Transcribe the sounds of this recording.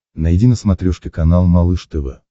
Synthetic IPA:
nɐjdʲinəsmɐt̪ɾʲɔʂkʲɪkɐnalˠmɐlˠɨʂt̪ɨvə̰

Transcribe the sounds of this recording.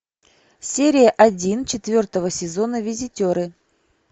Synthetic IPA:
sʲeɾʲɪjəʔɐdʲint͡ɕɪt̪vʲo̞rt̪əvəsʲɪzo̞nəvʲɪzʲɪtʲo̞ɾɨ

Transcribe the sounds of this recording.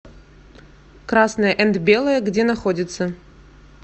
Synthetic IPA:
kɾasnəjəʔɛnt̪bʲe̞lˠəjəɡdʲenɐxodʲɪt̪sə

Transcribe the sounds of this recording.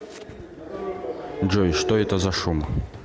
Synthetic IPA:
d͡ʒojʂt̪oɛt̪əzɐʂum

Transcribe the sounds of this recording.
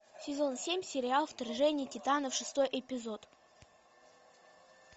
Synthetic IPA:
sʲɪzo̞nsʲemʲsʲɪɾʲɪalˠft̪ɐrʐɛnʲɪjətʲɪt̪anəfʂɨst̪o̞jʔɪpʲɪzot̪

